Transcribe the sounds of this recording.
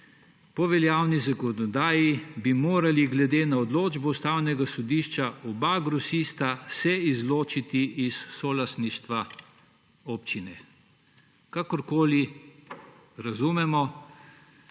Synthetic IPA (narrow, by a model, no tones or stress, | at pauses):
pɔʋɛljaːwnizakɔnɔd̪aːjibimoːɾaliɡlɛd̪eːnaɔd̪loːd͡ʒbɔust̪awnɛɡasɔd̪iːʃt͡ʃaʔɔbaɡɾɔsiːst̪asɛizloːt͡ʃit̪iʔisːɔlast̪niʃt̪ʋa | oːpt͡ʃinɛ | kakɔɾkoːli | ɾazumɛmɔ